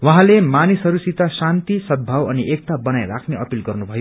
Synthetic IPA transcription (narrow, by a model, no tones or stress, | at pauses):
wʌɦãlemanisɦʌɾusit̪asant̪isʌd̪̚bʱawʌniʔek̚t̪abʌnajrakʰneʌpilɡʌrnubʱʌjo